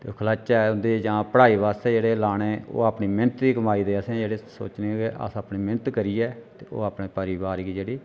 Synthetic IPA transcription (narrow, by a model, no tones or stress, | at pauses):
t̪eokʰəlaːt͡ʃaʊnd̪eːd͡ʒãːpəɽaːiːʋaːst̪eːd͡ʒeːɽeːlaːɽ̃eːo̰ːapniːmɪnət̪d̪iːkəmaːiːd̪eːəsẽd͡ʒeːɽeːso̰ːt͡ʃneːkeʔa̰saːpniːmɪnət̪kəɾiːɛːt̪eːo̰ːaːpɳeːpəɾiːbaːɾikiːd͡ʒeːɽiː